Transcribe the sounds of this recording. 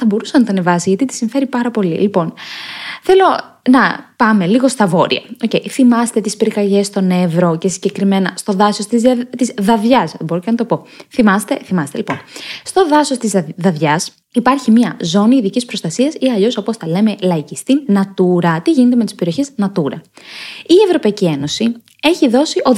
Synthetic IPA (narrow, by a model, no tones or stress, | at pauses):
θɐbo̞ɾusɐnɐt̪ɐnevɐsiʝɐt̪it̪i̥siɱfe̞ɾipɐɾɐpo̞lḭlipo̞n | θe̞lo̞nɐpɐmeliɣo̞st̪ɐvo̞ɾḭɐ̰o̞ceiθimɐst̪e̞t̪ispiɾikɐʝe̞st̪o̞ne̞vɾo̞ce̞siɲɟe̞kɾime̞nɐst̪o̞ðɐsost̪izt̪izðɐvʝɐseboocenɐt̪o̞po̞θimɐst̪e̞θimɐst̪elipo̞nst̪o̞ðɐso̞st̪izðɐðʝɐs | ipɐɾçimɐzo̞niːðicispɾo̞st̪ɐsiɐsiɐʎo̞so̞post̪ɐle̞me̞lɐicist̪inɐt̪uɾɐt̪iʝinet̪eme̞t̪i̥spe̞ɾio̞çeznɐt̪uɾɐ̰ | ievɾo̞pɐicie̞no̞si | e̞çiðo̞siʔo̞